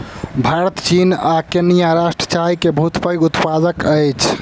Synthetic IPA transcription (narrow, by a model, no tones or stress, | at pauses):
bʱaɾət̪t͡ʃinakenijaɾasʈɾət͡ʃaɾikebʱut̪pəjɡut̪pad͡ʒəkəjt͡ʃʰ